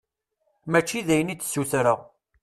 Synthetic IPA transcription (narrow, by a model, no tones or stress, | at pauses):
mæt͡ʃːiðæjənit͡s̪ːsuθɾəʁ